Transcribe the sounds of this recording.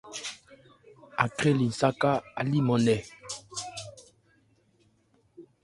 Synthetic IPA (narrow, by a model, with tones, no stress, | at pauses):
a̰˨kʁɛ˦li˨n˨sa˦ka˦a˨li˦mɔ˨nɛ˨